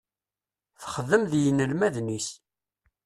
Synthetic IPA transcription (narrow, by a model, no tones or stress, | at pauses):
θχəðːəmðjənəlmæðnis